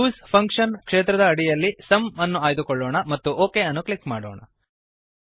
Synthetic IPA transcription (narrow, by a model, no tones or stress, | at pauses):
uːspʰɐŋkʂɐnkʂeːt̪ɾɐd̪ɐːɽijɐlːisɐmɐnːuaːjd̪ukɔɭːoːɳɐmɐt̪ːuoːkeːɐnːukɭikmaːɽoːɳɐ̰